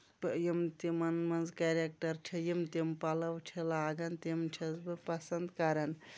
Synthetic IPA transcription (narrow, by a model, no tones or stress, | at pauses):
pjimt̪imɐnmɐnzkaɾekʈɐɾt͡ʃʰijimt̪impalɐwʈʰelaːɡɐnt̪emt͡ʃʰɐzbɨpɐsɐnd̪kaɾɐn